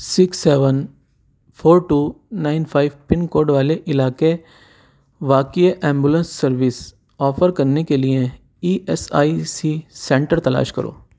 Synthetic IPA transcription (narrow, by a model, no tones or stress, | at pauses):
sɪksːeːʋən | pʰoːɾʈuːnaːɪnpʰaːɪʋpɪnkoːɾɖʋaːleʔɪlaːke | ʋaːkieʔɛ̃ːmbulə̃nsːɐɾʋɪs | ɔːfʰəɾkɐɾnekelie | iːʔɛsaːisisɛ̃ːɳʈəɾt̪ɐla̰ːʃkɐ̰ɾo̰ː